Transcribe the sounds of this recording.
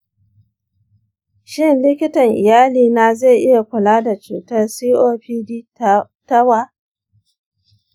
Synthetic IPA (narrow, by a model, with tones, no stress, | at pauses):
ʃɪ˦nlɪ˦kʲɪ˦tɐ˨ŋʔɪ˨jaː˦liː˨na˨za˦˨jʔɪ˦ja˨kʷʊ˨laː˦da˨t͡ʃuː˨tɐ˦rsiː˦ʔoː˦ɸiː˦di˦ | ta˦waː˦